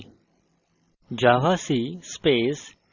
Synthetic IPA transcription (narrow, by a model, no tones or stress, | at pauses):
d͡ʒaːʋaːsiːspeːs